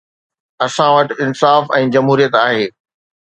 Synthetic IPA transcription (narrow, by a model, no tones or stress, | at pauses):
ɐsãʋɐʈɪnsaːfɛ̃ːd͡ʑɐmɦuːɾijət̪aːɦeː